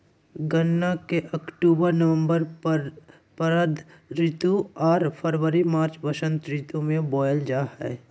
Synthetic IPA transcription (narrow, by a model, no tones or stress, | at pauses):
ɡənːakeʔɐkʈuːbəɾnɐʋə̃mbəɾ | pəɾəd̪ɾɪt̪uɔːɾpʰəɾwəɾimaːɾt͡ʃbəʃə̃nt̪ɾɪt̪umẽbɔːjld͡ʒaːɦɛ̰ː